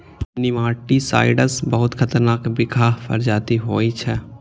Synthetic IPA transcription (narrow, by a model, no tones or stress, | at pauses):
nɪʋãːʈisa̰ːɪɖəsbɐɦʊt̪kʰɐt̪əɾnaːkbɪkʰaːɦfʰə̰ɾd͡ʒaːt̪iɦoːit͡ʃʰɛː